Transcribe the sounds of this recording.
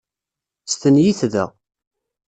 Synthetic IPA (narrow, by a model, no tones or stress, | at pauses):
st̪ənjiθðə̰